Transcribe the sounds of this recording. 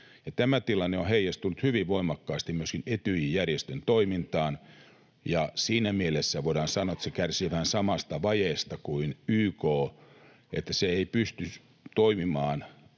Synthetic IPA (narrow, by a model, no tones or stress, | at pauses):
jɑt̪æmæt̪ilɑnːeõheijæst̪unut̪hyʋiʋʋoimɑkːɑːst̪imyøskinet̪yjijjærjest̪ønt̪oimint̪ɑːn | jɑsiːnæmielesːæʋoiɾɑːnsɑnːˑoet̪sekærsiːʋæhænsɑmɑst̪ɑʋɑjeˑst̪ɑkuinyːkoː | ʔḛt̪ːæseeipyst̪y | t̪oimimɑːn